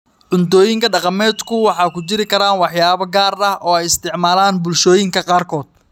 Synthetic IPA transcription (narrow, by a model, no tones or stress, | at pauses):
ʕʊnt̪ɔːjɪŋkʰɐɖɑqɑmɛːd̪kʰʊwɑħɑːkʰʊt͡ʃɪɾɪkʰɐɾaːnwɑħjaːβɐɡaːrɐhʔɔːɛjɪst̪ʰɪʕmaːlaːnbʊlʃɔːjɪŋkʰɐqɑːrkʰɔːd̪̚